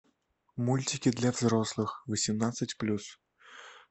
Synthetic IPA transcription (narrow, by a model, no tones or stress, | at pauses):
mulʲtʲikʲid̪lʲɐvzɾɔslˠɨxvɐsʲimnat̪sːɨt͡sʲplʲus